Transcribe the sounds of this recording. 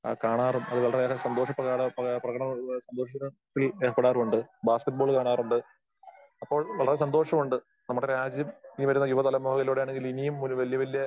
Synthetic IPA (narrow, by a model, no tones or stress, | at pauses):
kaːɳaːrumɐðɨʋɐɭɐreeːkɐsɐnd̪oːʂɐprɐaːɽɐprɐɣɐɳɐmsɐnd̪o̞ːʂɐɐt̪ːileːkɐpɐɽaːrumuɳɖɨbaːskeʈ̚bo̞ːɭkaːɳaːruɳɖɨ | ɐpːo̞ːɭʋeɭɐres̬ɐnd̪o̞ːʂɐmuɳɖɨ | nɐmːuɽeɾaːd͡ʑjɐminiʋɐɾunːɐjuʋɐt̪ɐlɐmːoːɦɐɣɐloɽejaːɳe̞ŋɡilinijumːunʋɐlijɐʋɐlijɐ